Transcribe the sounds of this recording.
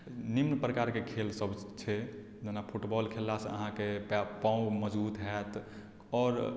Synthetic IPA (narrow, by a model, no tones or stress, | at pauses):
nimnpɾəkaɾkekʰelsəbt͡ʃʰɛ | d͡ʒenapʰuʈbɔlkʰelːasəɦãkeppãũɡməd͡ʒbut̪ɦɛt̪ | ɔːɾ